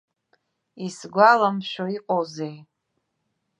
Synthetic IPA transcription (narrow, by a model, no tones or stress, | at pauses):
isɡʷalamʃᶣoiqʼozej